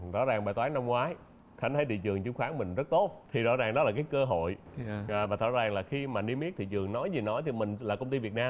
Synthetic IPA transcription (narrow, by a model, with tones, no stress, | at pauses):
zɔ̰˧˥zaː˨˩ŋɓaː˨˩t̪waː˨˦na˧mŋwaː˨˦j | xa˨˦ŋ̟t̪ʰə˧˨˦jt̪ḭ˧˨t͡ɕɨ˨˩əŋt͡ɕɨ˧˦ŋ͡mxwaː˨˦nmï˨˩ŋ̟zə˦˥t̚t̪o˦˥t̚t̪ʰi˨˩zɔ̰˧˥zaː˨˩ŋɗɔ˨˦laː˨˩k̬aː˨˦jkəː˧ɦo̰˧˨jvaː˨˩t̪ʰɔ̰˧˩zaː˨˩ŋlaː˨˩xi˧maː˨˩ɗi˧mi˦˥ət̪ʰḭ˧˨t͡ɕɨ˨˩əŋnɔ˨˦jzi˨˩nɔ˨˦jt̪ʰi˨˩mï˨˩ŋ̟laː˨˩kə˧wŋ͡mt̪i˧vi˨˩ət̚naː˧m